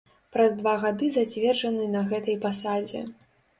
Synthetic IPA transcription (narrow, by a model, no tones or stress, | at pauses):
pɾɐzd̪vaɣad̪ɨzat͡sʲvʲɛrʐɐnɨnɐɣɛt̪ɐjpasad͡zʲɛ̰